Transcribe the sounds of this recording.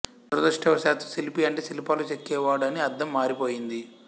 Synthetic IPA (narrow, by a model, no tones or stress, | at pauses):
ɾɐd̪ɐʂʈɛʋɐsaːt̪usilipiɐɳʈeːsilipaːlut͡ʃekːɛːʋaːɽɐniɐɾd̪ʱːɐmːaːɾipoːjind̪i